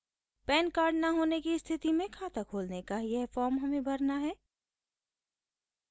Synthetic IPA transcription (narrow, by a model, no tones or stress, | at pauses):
pɛːnkaːɾɖnɐɦoːnekist̪ʰɪt̪imẽkʰaːt̪əkʰoːlnekajɐɦfɔːɾmɦɐmẽbɐɾnaɦɛː